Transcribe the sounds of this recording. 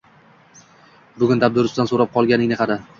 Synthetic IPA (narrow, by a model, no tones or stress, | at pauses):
bʊɡʲʊnd̪ab̚d̪ʊɾʊsd̪ansoɾap̚qʰɒlˠɡʲanɪŋneqʰɑd̪ɪ